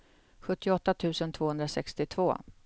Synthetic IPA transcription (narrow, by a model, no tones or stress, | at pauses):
ɧɵt̪ːɪɔt̪ːat̪ʰʉ̟ːsənt̪ʰv̥oːɵnd̪ɾasɛkst̪ɪt̪ʰv̥o̰ː